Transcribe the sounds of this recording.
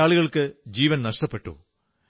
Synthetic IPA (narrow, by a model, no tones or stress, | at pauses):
aːɭiɣɐɭkɨd͡ʑiːʋɐnnɐʂʈɐpːe̞ʈːṵ